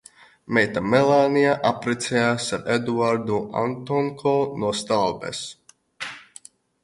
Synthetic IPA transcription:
mɛjt̪amɛlˠaːnijaʔapɾɛt̪sɛjaːsaɾed̪uaɾd̪uʔa̰nt̪ɔŋkʰɔːnuɔst̪alˠbḛs

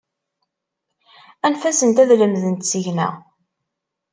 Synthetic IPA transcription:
ænfæsənt̪æðləmðənt̪səʝnæ̰ʁ

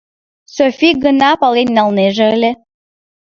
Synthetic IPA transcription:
sofʲiɡənɑpɑlenʲːɑlneʒĕəlʲe

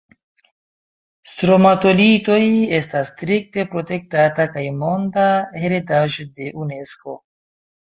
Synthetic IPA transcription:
stɾo̞mato̞lito̞je̞stasːtɾik̚te̞pɾo̞te̞k̚tatakajmo̞ndahe̞ɾedaʒo̞de̞ʔune̞sko̞̰

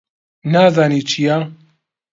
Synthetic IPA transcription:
naːzaːniːt͡ʃʰijaː

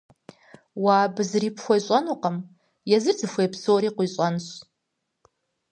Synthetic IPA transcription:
waːbɨzɨriːpxʷɐjɕʷʼanoqʼəm | jɛzɨrd͡zɨxʷejpʰsowɾiːqʷiːɕʼanɕ

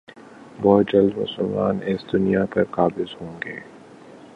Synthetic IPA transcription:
bɔːd͡ʒəld̪mʊ̰səlmaːnesd̪ʊnijapɐɾkaːbɪzhõːŋɡeː

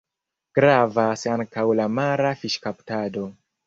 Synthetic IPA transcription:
ɡ̥ɾavasaŋkawlamaɾafiʃkaptado̞

